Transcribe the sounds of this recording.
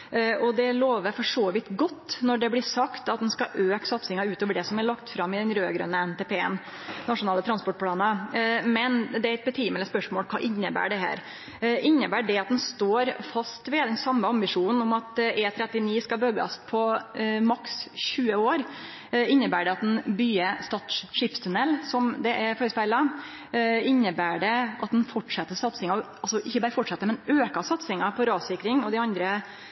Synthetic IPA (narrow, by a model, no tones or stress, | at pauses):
ɔd̪ɛloːʋəɾfɔʂoːʋɪt̪ɡɔt̪ːnɔɖɛblɪsɑkt̪ɑt̪d̪ɛnskɑʔøːksɑt̪sɪŋɑʉːt̪oːʋəɖɛsɔmæɭɑkt̪fɾɑmːɪd̪ɛnɾøːɡɾœ̰nːəɛnt̪eːpeːə̰n | nɑʂʊnɑːlət̪ʰɾɑnspɔʈ̚ːpʰlɑːnɑmɛnd̪ɛæɾɛt̪̚bɛt̪ʰiːmɛləspœʂmoːlkʰɑ̰ːʔɪnːəbæ̰ːɖɛɦæ̰ːɾ | ɪnːəbæːɖɛɑt̪̚d̪ɛnst̪oːɾfɑst̪ʋɛd̪ɛnsɑmːəɑmbɪʂuːnən̩ɔmɑt̪ʔeːt̪ʰɾɛt̪ːɪniːskɑbøɡɑ̰spʰɔmɑksɕʉːəoːɾ | ɪnːəbæːɖɛɑt̪̚d̪ɛnbyːəst̪ɑːt̪ʂɪpst̪ʰʉnɛlːsɔmd̪ɛʔɛɾfoːɾəspæɪlɑ | ɪnːəbæːɖɛʔɑt̪̚d̪ɛnfɔʈʂɑt̪ːəsɑt̪sɪŋɑɔ | ɑlsɔʔɪçːəbɑːɾəfɔʈʂɑt̪ːəɾmɛnøːkɑsɑt̪sɪŋɑpʰɔɾɑːsɪkɾɪŋɔd̪ɛɑnd̪ɾə